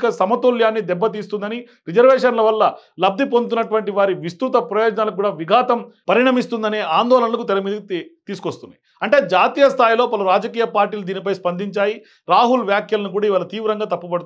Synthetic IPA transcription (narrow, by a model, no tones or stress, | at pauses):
kɐsɐmɐt̪oːljaːnːid̪ɛbːɐt̪̬iːst̪und̪ɐni | ɾid͡ʒɐɾʋɛːʂɐnlɐʋɐlːɐlɐb̚d̪ʱipont̪unːɐʈuʋɐɳʈiʋaːɾiʋist̪ɾut̪ɐpɾɐjoːd͡ʒɐnaːlɐk̬uːɽaːʋiɡʱaːt̪ɐmpɐɾiɳɐmist̪und̪ɐneːaːnd̪ɔːlɐnɐlɐkut̪ɛɾɐmiːd̪ɐkit̪iːsu̥kost̪und̪̰i | ɐɳʈe̞ːd͡ʒaːt̪iːjɐst̪ʰaːjlo̞ːpɐluɾaːd͡ʒɐkiːjɐpaːɾʈiːlud̪iːnipɐjspɐnd̪iɲt͡ʃaːji | ɾaːɦulʋjaːkjɐlɐnuk̬uːɽaːiʋaːlɐt̪iːʋɾɐŋɡaːt̪ɐpːubɐɽu